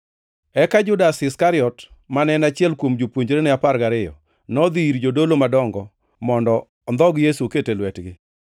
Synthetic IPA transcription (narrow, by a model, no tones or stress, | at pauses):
ɛkad͡ʒʊdasɪskaɾɪɔtmanɛnat͡ʃɪɛlkwomd͡ʒopwoɲd͡ʒɾenɛapaɾɡaɾɪjɔ̰ | nɔd̪iɾd͡ʒodolomadɔŋɡɔ | mɔndɔː | nd̪ɔɡjesuketelwɛtɡɪ